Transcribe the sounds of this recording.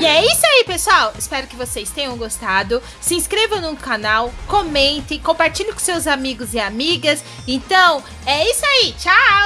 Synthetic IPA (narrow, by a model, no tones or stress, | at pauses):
iɛisʊaipesʊawɪspɛɾʊkɪvosest̪ẽɲɐ̃w̃ɡost̪ad̪ʊ | sɪĩskɾevɐ̃w̃nũkanawkomẽnt̪ɪ̃kõpaɾt͡ʃiʎʊkõsewzamiɡʊzɪamiɡɐs | ẽnt̪ɐ̃w̃ | ɛisʊait͡ʃaw